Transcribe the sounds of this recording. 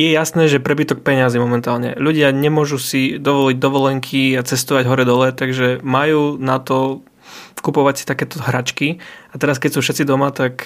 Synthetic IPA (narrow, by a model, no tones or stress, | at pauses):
jɛjasnɛːʒɛpɾɛbit̪ɔk̚pɛɲɪazimɔmɛnt̪aːlɲɛ̰ʎuɟɪaɲɛmʊɔʒusid̪ɔʋɔliɟ̚d̪ɔʋɔlɛŋkʰiat͡sɛst̪ɔʋaɟɦɔɾɛd̪ɔlɛt̪aɡʒɛmajuːnat̪ɔ | kupɔʋacsi̥t̪akɛːt̪ɔɦɾat͡ʃkiat̪ɛɾaskɛcsuːfʃɛt̪t͡sid̪ɔmat̪ak